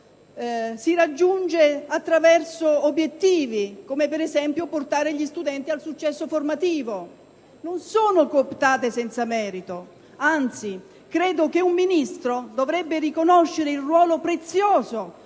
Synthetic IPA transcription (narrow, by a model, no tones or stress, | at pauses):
siɾad͡ʒːund͡ʒeat̪ːɾavɛrsoobjet̪ːiːvikomepɛɾɛzɛmpjoport̪aːɾeʎist̪ud̪ɛnt̪ialsut͡ʃːɛsːoformat̪iːvo | nonsoːnokopt̪aːt̪esɛnt̪samɛːɾit̪o | ant̪si | kɾeːd̪ok̟eumːinist̪ɾod̪ovɾɛbːerikonoʃːeɾeilrwɔːlopɾet̪sjoːzo